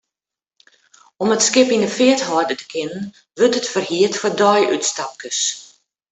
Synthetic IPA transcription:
ɔmətskɪpinəfɪəthɔrdətə̥kʰɪnən | ʋørtətfərhiətfɔrdɔjʔytstap̚kəs

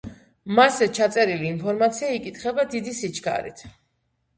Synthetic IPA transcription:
masɛt͡ʃʰat̪sʼɛɾiliːnpʰɔɾmat̪sʰiaikʼit̪ʰχɛbad̪id̪isit͡ʃʰɡa̰ɾḭt̪ʰ

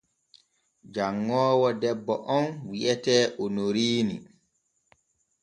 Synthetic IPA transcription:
d͡ʒaŋːɔːwɔdɛbːɔʔɔnwiʔɛtɛːʔonoɾiːni

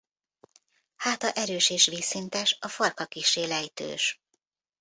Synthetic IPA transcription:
haːt̪ɒʔɛɾøːʃeːʃʋiːsint̪ɛʃɒfɒrkɒkiʃːeːlɛjt̪ø̰ːʃ

